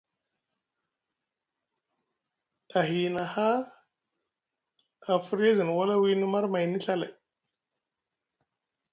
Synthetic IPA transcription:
a˨ɦi˨na˨ha˦ | a˨fu˦ɾa˦zi˨n˨wa˦la˦wi˦ni˦ma˦ɾma˨jni˦ɬa˦la̰˨

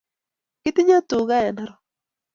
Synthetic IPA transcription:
kɪ˦t̪ɪ˦ɲa˦t̪ʊ˨ɡa˦jɛ˨na˦ɾɔ˨

